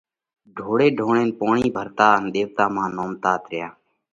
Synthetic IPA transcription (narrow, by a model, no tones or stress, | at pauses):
ɖʱoːɽeːɖʱoːɳeːnpoːɳiːbʱəɾt̪aːənɗ̪eːʋt̪aːmãːnoːmt̪aːt̪ɾɪjaː